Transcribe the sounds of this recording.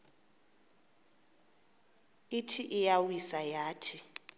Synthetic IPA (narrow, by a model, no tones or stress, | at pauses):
itʰiʔijawisajaːtʰi